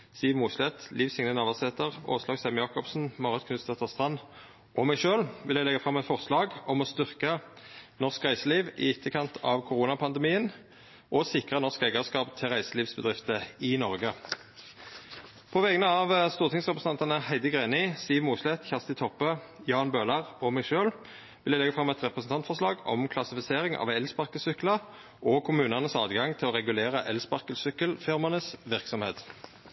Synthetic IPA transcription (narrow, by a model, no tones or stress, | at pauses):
st̪iːʋmuːslɛt̪liːʋsɪŋnənɑʋɑsɛt̪əʁo̰ːslɑːɡsɛmjɑːkɔpsn̩mɑːʁət̪kʰnʉst̪ɛt̪əʁst̪ʁɑn | ʔɔmæɪʃøːlʋɪljæɪlɛɡɑfʁɑmɛt̪fɔʁslɑːɡɔmɔst̪ʏʁkənɔskʁæɪsəliːʋɪ̰ɪt̪ʰːəkʰɑnt̪ʰɑ̰ʋkʰʊʁuːnɑpʰɑnd̪əmiːən | ʔɔsɪkʁənɔʁskɛɪɡɑʁskɑːpt̪ʰɪʁæɪsəliːʋsbəd̪ʁɪft̪əɪnɔʁɡə | pʰɔʋɛɡənəɑʋst̪uːʁt̪ʰɪŋsʁɛpʁəsn̩ʰɑnt̪ɑnəhæɪd̪əɡʁeːnɪsiːʋmuːslɛt̪çæʁst̪ɪt̪ʰɔpːə | jɑːnbøːlɑʁɔmɛɪʃøːl | ʋɪlæɪlɛɡəfʁɑmɛt̪ʁɛpʁəsn̩t̪ʰɑnt̪fɔʁslɑːɡɔ̰mkʰlɑsɪfɪseːʁɪŋʔɑ̰ːʋɛlspɑʁkəsʏklɑ | ʔɔkʰʊmʉːnɑnəsɑ̰ːd̪ɡɑŋt̪ʰɪlɔːʁɛɡʉleːʁəʔɛlspɑʁkəlsʏkəlfɪʁmɑnəsʋɪʁksɔmheːt̪